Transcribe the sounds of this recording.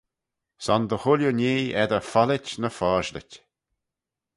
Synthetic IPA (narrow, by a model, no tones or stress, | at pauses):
sɔnd̪əhʊljunʲeːɛd̪əfalɪtnəfɔːʒlə̰tʲ